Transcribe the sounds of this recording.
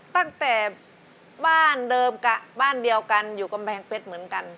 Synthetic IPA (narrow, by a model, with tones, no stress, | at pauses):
t̪a˥˩ŋt̪ɛː˨˩ | baː˥˩ndɤː˧mka˧˩baː˥˩ndi˧əwka˧njuː˨˩ka˧mpʰɛː˧˩ŋpʰe˦˥t̪̚mɯ˩˦ənka˧n